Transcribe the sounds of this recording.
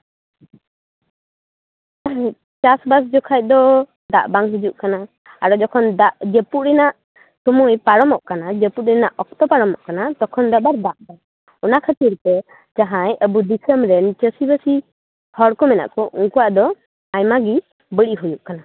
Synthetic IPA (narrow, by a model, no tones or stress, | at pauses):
t͡ʃasbas̬d͡ʒɔkʰac̚d̪ɔ | d̪aʔbaŋɦid͡ʒuʔkana | aɾɔd͡ʒɔkʰɔnd̪aʔd͡ʒəpuɾɛnaʔ | sɔmujpaɽɔmɔʔkanad͡ʒəput̪̚ɾɛnaʔɔk̚t̪ɔpaɽɔmɔʔkanat̪ɔkʰɔnd̪ɔbaɾd̪aʔbaŋ | ɔnakʰət̪iɾt̪ɛ | d͡ʒaɦãjəbud̪isəmɾɛnt͡ʃəsibəsi | hɔɽkɔmɛna̰ʔkɔʔuŋkuwaʔd̪ɔ | ajmaɡi | bəɽiʔɦujuʔkana